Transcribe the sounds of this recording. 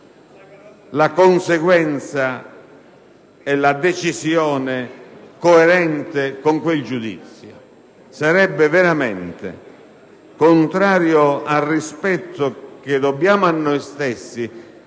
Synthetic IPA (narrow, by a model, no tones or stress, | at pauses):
lakonseɡwɛnt̪sa | ɛlad̪et͡ʃisjɔːnɪkoɛɾɛnt̪ɪkoŋkweld͡ʒud̪ḭt̪sːjo | saɾɛbːɪveɾamɛnt̪ɪ̰ | kont̪ɾaːɾjoalrrispɛt̪ːʊk̟ed̪obːjaːmʊanːɔjst̪esːi